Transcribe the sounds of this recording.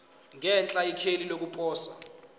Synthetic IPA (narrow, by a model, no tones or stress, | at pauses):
ŋɛnt͡ɬʼaikʰelilok̬upʰɔːswa